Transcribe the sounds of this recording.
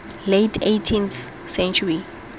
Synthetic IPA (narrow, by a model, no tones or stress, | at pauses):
letʰejtʰĩnθ | sɛ̃nt͡ʃʰuri